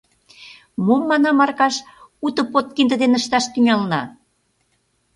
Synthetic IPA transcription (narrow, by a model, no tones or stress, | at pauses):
momːɑnɑmɑrkɑʃ | ut̪ə̆pot̪̚kind̪ə̆d̪enəʃt̪ɑʃt̪yŋɑlnɑ